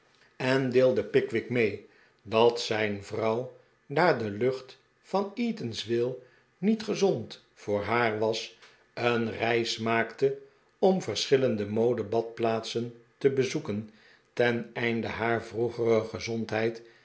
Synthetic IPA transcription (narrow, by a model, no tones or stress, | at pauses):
ɛndɪːlˠdəpɪkʋɪkmej | dɑtsɛjnvrɑw | daːɹdəlɵχt | fɑniːtənsʋɪlˠ | nitχəzɔnt | fʊːɹɦaːɹʋɑs | ənrɛjsmaːktə | ɔmvəɹsχɪləndəmowdəbɑt̚plaːtsəntəbəzukən | tɛnɛjndəɦaːɹvruχərəχəzɔntɦɛjt